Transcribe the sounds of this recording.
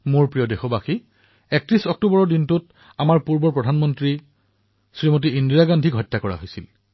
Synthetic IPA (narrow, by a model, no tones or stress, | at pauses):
muɹpɹijɔdexɔbaxi | ɛk̚tɹisɔk̚tubɔɹɔdintut | amaɹpuɹbɔɹpɹɔdʱanmɔntɹi | sɹimot̬iindiɹaɡandʱikɦɔjtːakɔɹa̰ɦojsil